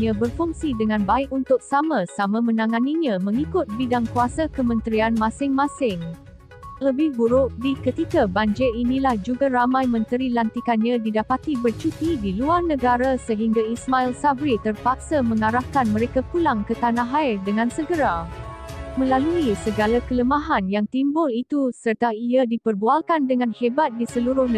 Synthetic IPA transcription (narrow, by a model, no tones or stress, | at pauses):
ɲãbərfuŋsidəŋãnbaɪkunt̪ʊk̚samãsamãmə̃nãŋãniɲãmə̃ŋikʊt̪̚bidaŋkuasakəmə̃nt̪ɾianmãsɪŋmãsɪŋ | ləbɪhbuɾʊʔdikət̪ikabaɲd͡ʒɪinĩlahd͡ʒuɡaɾamãjmə̃nt̪əɾilant̪ikanɲãdidapat̪ibərt͡ʃut̪idiluarnəɡaɾasəɦiŋɡaismailsabɾit̪ərpak̚samə̃ŋaɾahkanmə̃ɾekakulaŋkət̪anãɦaɪrdəŋãnsəɡəɾa | mə̃laluisəɡalakələmaɦanjaŋt̪imbʊlit̪usərt̪aiadipərbualkandəŋanhebat̪̚disəluɾʊhn